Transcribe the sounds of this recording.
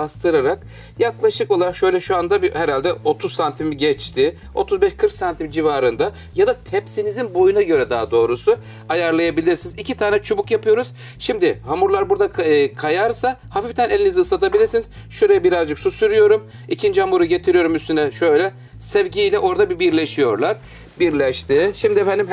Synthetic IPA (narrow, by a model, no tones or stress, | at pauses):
bast̪ʰɯɾaɾak̚ | jaklˠaʃɯko̞lˠaɾakʃø̞jlʲɛʃuand̪abihɛɾalʲd̪ɛo̞t̪ʰuzsant̪ʰimiɟɛt͡ʃt̪ʰɪ | o̞t̪ʰuzbɛʃkʰɯɾksant̪ʰimd͡ʒivaːɾɯnd̪a | jad̪at̪ʰɛpsinizinbo̞junaɟø̞ɾɛd̪aad̪o̞ːɾusu | ajaɾlˠajabilʲiɾsinizicʰit̪ʰaːnɛt͡ʃʰubukjapʰɯjo̞ɾuz̥ | ʃimd̪ɪhamuɾlˠaɾbuɾd̪akʰajaɾsahafift̪ʰænɛlʲinizihɯsat̪ʰabilʲiɾsiniz | ʃøɾejɛbiɾazd͡ʒɯksusyɾyjo̞ɾum | icʰind͡ʒihamuɾuɟet̪ʰiɾijo̞ɾumyst̪ynɛʃøjlʲɛ | sɛvɟilʲɛʔo̞ɾd̪abibiɾlʲeʃijo̞ɾlˠaɾ | biɾlʲɛʃt̪ʰiʃimd̪iefænd̪im